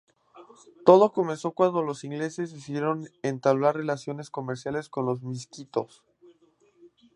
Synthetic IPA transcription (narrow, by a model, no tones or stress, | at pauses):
t̪o̞ð̞o̞ko̞mẽ̞nso̞kwand̪o̞lo̞siŋɡle̞se̞sisje̞ɾo̞nent̪aβlaɾre̞lasjo̞ne̞sko̞meɾsjale̞skonlo̞zmis̬kit̪o̞s